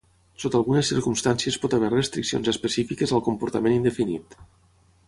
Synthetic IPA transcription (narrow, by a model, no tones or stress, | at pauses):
sot̪alˠɣunəsːiɾkumst̪ansiəspɔt̪aβ̞ɛɾrəst̪ɾiksio̰nzəspəsifikəzəlˠkumpuɾt̪əmenind̪əfinḭt̪